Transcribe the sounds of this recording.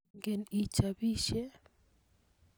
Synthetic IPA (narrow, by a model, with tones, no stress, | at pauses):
ŋɡe˨ni˨t͡ʃabi˦ʃe˦